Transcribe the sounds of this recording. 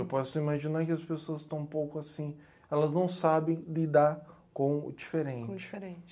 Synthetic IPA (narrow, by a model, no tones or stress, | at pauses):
ewpɔsʊimaʒinaɾkɪɐspesoɐst̪ɐ̃w̃ũpowkʊasĩ | ɛlɐznɐ̃w̃sabẽj̃lid̪aɾkõʊ̰d͡ʒifeɾẽd͡ʒt͡ʃɪ̥ɾẽt͡ʃ